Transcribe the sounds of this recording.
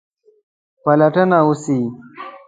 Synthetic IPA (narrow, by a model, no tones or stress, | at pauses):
pɐlɐʈənausi